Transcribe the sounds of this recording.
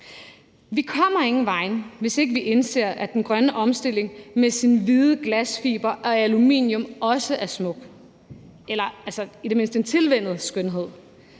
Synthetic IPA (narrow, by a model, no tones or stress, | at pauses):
ʋikʰɒ̽m̰ɐe̝ŋn̩ʋɑ̈ɪnʋe̝se̝ɡ̥əʋiʔe̝nse̝̰ːɐʔæd̥enɡ̥ʁɶnəʔɒ̽msd̥e̝l̰e̝ŋmesinʋiðˠəɡ̥læsfiːb̥ɐʔɒ̽ælumḭnjɔ̽mɒ̽səʔæɐsmɔ̽ɡ̥ | elɐælsɐid̥e̝me̝n̰sd̥əe̝nt͡sʰe̝lʋen̰ð̞̩ˠsɡ̥ønɦe̝ð̞̰ˠ